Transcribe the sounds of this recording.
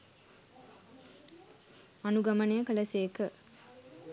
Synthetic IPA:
anuɡɐmɐnejəkəlɐseːkə

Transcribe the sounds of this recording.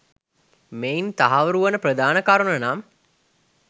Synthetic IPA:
meint̪aɦaʋəɾuʋɐnəprəd̪aːnɐkaɾunɐnam

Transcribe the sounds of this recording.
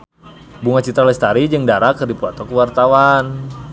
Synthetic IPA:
buŋat͡ʃit̪ɾalɛst̪aɾid͡ʒɨŋdaɾakərdipuat̪ɔkəwart̪awan

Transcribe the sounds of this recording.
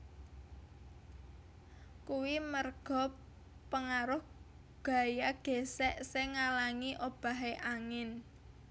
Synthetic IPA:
kuwimərɡ̥ɔ̤ | pəŋaɾʊh | ɡ̥ä̤jaɡ̥e̤sɛʔsɛŋalaŋiʔob̥a̤ɦeʔaŋɪn

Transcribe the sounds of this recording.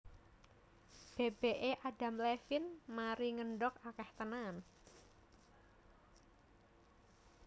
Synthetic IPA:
b̥eb̥eʔeʔaɖa̤mlɛfɪnmaɾiŋəɳɖɔkakɛht̪ənan

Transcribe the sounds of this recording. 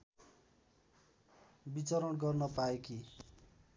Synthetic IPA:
bit͡sʌɾʌnɡʌrnʌpaeki

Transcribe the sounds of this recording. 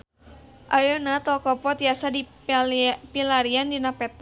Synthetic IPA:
ʔajɔnat̪ɔlkɔpɔt̪jasadi | pilaɾiandinapɛt̪a

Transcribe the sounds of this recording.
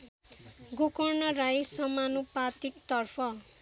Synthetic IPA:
ɡokʌrnʌrajsʌmanupat̪ikt̪ʌrpʰʌ

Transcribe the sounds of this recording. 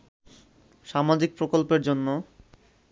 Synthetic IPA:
ʃamad͡ʑik̚pɾokolpeɾd͡ʑonːo

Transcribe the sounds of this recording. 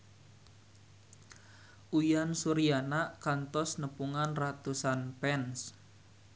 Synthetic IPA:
ujansuɾijanaʔkant̪ɔsnəpuŋanrat̪usanpɛns

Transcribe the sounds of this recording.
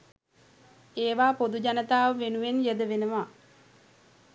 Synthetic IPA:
eːʋaːpod̪uɟanət̪aːʋəʋenuʋenjəd̪əʋenəʋa

